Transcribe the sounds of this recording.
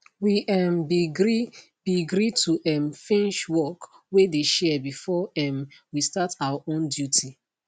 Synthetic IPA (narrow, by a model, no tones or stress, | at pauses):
wiʔɛmbiɡɾi | b̥iɡɾitʰuʔɛmfĩnʃwɔk | wedeʃɛbifɔɛmwistatawaʔõndjutʰi